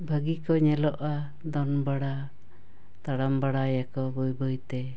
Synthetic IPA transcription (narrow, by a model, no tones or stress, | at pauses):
bʱəɡikɔɲɛlɔʔa | d̪ɔnbaɽa | t̪aɽambaɽajakɔbɔjbəjt̪ɛ